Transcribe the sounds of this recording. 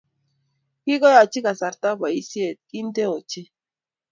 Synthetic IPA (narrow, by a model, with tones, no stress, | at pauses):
ki˦kɔ˦ja˨t͡ʃi˦ka˨sa˨ɾt̪a˦ba˨i˦sje˦˨t̪̚ki˦n˦de˦o˨t͡ʃi˦